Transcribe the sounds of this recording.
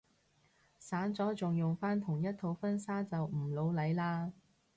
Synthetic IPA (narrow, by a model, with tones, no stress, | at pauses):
saː˨˥nt͡sɔː˨˥t͡sʊ˨ŋjʊ˨ŋfaː˥nt̪ʰʊ˨˩ŋjɐ˥t̚t̪ʰːo˨˧wfɐ˥nsaː˥t͡sɐ˨wm̩˨˩lo˨˧wlɐ˨˧jlaː˧